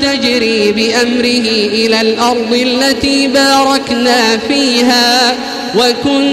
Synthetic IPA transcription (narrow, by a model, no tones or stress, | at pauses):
ad͡ʒɾiːbɪʔamɾɪhɪʔɪlaːlʔɑɾˤd̪ˤɪʔalːat̪iːbɑːɾˤɑknaːfiːɦaː | wakʊn